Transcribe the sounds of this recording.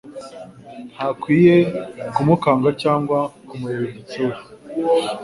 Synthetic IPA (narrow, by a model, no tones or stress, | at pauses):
n̥hakwiːje̞kumukaːŋɡacaːŋɡwakumujeɾeɟit͡se